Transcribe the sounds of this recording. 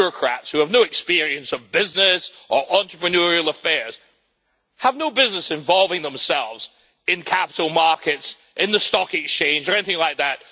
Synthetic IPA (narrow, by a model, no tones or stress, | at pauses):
ɹɨkʰɹ̥æ̰tshʉəvnoʊɨkspɪɹiɨ̃nsʌvbɪznɪsʔə˞ʔɑ̃nt͡ʃɹ̥əpɹɨnʊɹil̩ˠəfɛɹz̥ | həvnoʊbɪznəsɨ̃ɱvɑlˠvɪ̃ŋðə̃msɛlˠvz | ɨ̃nkʰæpəɾl̩ˠmɑɹkɨts | ʔɨ̃nðɨstɑkett͡ʃʰẽɪ̃nd͡ʒə˞ɛniθɪ̃ŋlaɪk̚ðæt̚